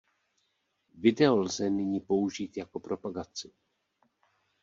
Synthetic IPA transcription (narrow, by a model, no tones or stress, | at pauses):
vɪdɛo̞lzɛnɪɲiːpo̞uʒiːt̪jako̞pɾo̞paɡat͡sɪ